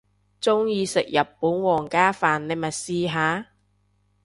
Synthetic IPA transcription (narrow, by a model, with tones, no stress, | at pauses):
t͡sʊ˥ŋjiː˧sɪ̰˨k̚jɐ˨˩pːuː˨˥nwɔː˨˩ŋkaː˥faː˨nle˨˧mɐ˨t̚siː˧ɦaː˨˥